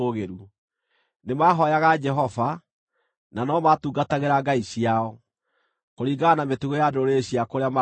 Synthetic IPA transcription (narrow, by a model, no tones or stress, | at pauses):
oɣeɾu | nemaːɦɔjaɣad͡ʒɛɦɔva | nanɔmatuɡataɣeɾaɡaiɕiaɔ | koɾiːɡanametuɣojadoɾeɕiakoɾeama